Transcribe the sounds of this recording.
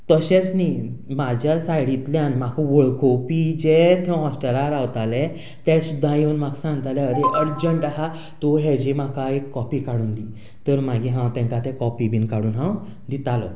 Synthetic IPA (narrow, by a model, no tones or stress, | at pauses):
t̪əɕet͡snimad͡ʑjasajɽit̪ljanm̤akʰʋəɭkopid͡ʑet̪ʰɛ̃ɦɔsʈəɾaɾawt̪alɛ | t̪ɛ̃sud̪ʱːãjewnm̤aksãŋɡt̪alɛəɾeʔəɽd͡ʑəɳʈaɦa | t̪oɦɛd͡ʑem̤akaekːɔpikaɽuːnd̪i | t̪əɾm̤aɡiɦãwt̪ɛ̃ŋkat̪ɛ̃kɔpibinkaɽuːnɦãw | d̪it̪alɔ̰